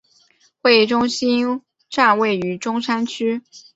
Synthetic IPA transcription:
xwe˥˩ɪʈ͡ʂʊ˥ŋɕi˥n | ʈ͡ʂa˥˧nwe˥˩ɪy˧˥ʈ͡ʂʊ˥ŋʂa˥nt͡ɕʰy˥

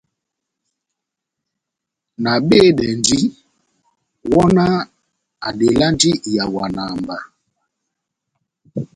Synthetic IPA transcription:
na˨ɓe˦˨ɗɛ˨ndi˦ | wɔ˦na˦ | a˨ɗe˨la˦ndi˦˨ja˨wa˨na˨mba˨

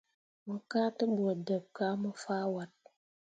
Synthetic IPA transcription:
mə˨˦ka˦tə˦bo˨də˨p̚ka˦mə˦faː˦wa˦t̚

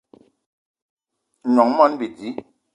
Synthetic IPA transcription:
nɔ˨ŋmɔ˦nbi˨di˨˦

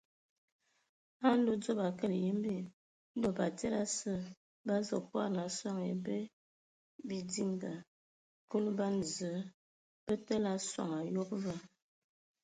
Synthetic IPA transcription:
a˦n˦do˦d͡zo˦ba˨kə˦˨lje˦mbi˨ | n̩˦do˨ba˨te˦la˦sə˦˨ | ba˦zə˨kwa̰˦˨ɾna˨swa˦ŋḛ˨be˦ | bi˨di˦ŋɡa˨ | ku˦lba˦n˨zə˨˦ | b̥ə˦tə˦la˦sa̰˨ŋa˨jo˦k̚va˦

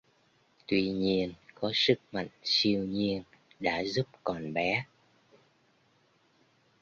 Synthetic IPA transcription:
t̪wi˧ɲi˧ənkɔ˨˦sɨ˦˥k̚ma̰˧˨jŋ̟si˧əwɲi˧ən | ɗa̰ː˧˥zu˦˥p̚kɔ˨˩nɓɛ˨˦

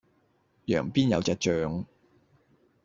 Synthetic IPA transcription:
jœ̰ː˨˩ŋpiː˥njɐ˨˧wt͡sɛː˧t͡ʃœː˨˧ŋ

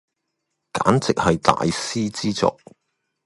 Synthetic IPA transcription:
kaː˨˥nt͡sɪ˨k̚hɐ˨jt̪a̰ː˨jsiː˥t͡siː˥t͡sɔ̰˨k̚

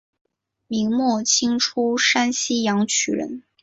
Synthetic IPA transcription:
mi˧˥ŋmwɔ˥˩t͡ɕʰi˥ŋʈ͡ʂʰu˥ʂa˥nɕi˥jɑ˧˥ŋt͡ɕʰy̰˨˩ɻə̰˧˥n

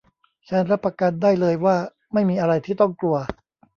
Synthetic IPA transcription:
t͡ɕʰa˦˥nɾa˦˥pːa˧ka˧n̚daː˥˩jlɤː˧jwaː˥˩ | ma˥˩jmiː˧ʔa˧ɾa˧jt̪ʰiː˥˩t̪ɔ˥˩ŋklu˧ɐ

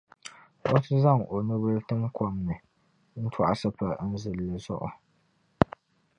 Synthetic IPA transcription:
ʔo˦tɨ˦za˦˨ŋo˨nu˦bɨ˦ltɨ˦mkɔ˦mnɨ˨ | n̩˦tʰa˨ʔa˨sɨ˦pa˨n̩˦zɨ˨lːɨ˨zɔ̰˦ʔɔ̰˨

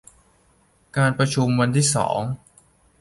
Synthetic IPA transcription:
kaː˧npɾa˧t͡ɕʰu˧mwa˧nt̪ʰiː˥˩sɔ̰ː˩˦ŋ

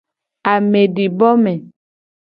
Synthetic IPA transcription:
a˨me˨ɖi˨bɔ˦me˨

